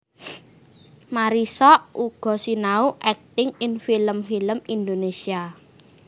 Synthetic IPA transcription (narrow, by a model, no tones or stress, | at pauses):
maɾisɔʔuɡ̥ɔ̤sinauʔɛk̚t̪ɪŋɪnfiləmfiləmind̪onesia